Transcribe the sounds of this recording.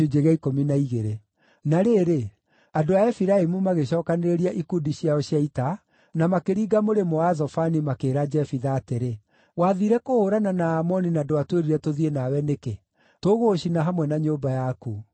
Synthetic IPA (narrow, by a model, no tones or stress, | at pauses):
od͡ʒeɣaikominaiɣeɾe | naɾeːɾe | adoaɛfiɾaimumaɣeɕɔːkaneɾeɾiaʔikudiɕiaɔɕjaita | namakeɾiːɡamoɾemɔazɔfanimakeːɾad͡ʒɛfiðaːteɾe | waðiɾɛkohoɾananaːmɔninadoatweɾiɾɛtoðienawɛneke | toɣoːɕinaɦamwɛnaɲoːbajaku